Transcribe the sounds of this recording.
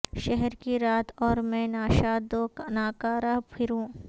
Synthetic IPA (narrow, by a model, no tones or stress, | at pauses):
ʃɛɦɛɾkiɾaːt̪ʰɔːɾmɛ̃naːʃaːd̪oːknaːkaːɾɐɦpʰɪɾũː